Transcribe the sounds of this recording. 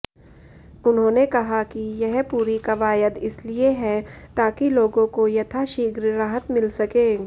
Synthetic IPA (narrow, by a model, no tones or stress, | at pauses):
ʊnɦõːnekɐɦakijɛɦpuːɾikɐʋaːjəd̪ɪslieɦɛt̪aːkiloːɡõkojɐt̪ʰaʃiːɡɾɾaɦət̪mɪlsɐkẽː